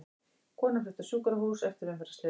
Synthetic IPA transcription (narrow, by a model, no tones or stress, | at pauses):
kʰɔːnaflʏht̪ḁsuːkaɾaɦuːsɛft̪ɪɾvɛnfɛɾast̪ɪ